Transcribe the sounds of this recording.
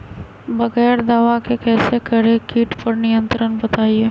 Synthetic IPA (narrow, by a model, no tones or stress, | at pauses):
bɐɣɛːɾd̪aːʋakekɛːsekəɾekiːʈpɐɾnɪjə̃nt̪ɾənbɐt̪aːieː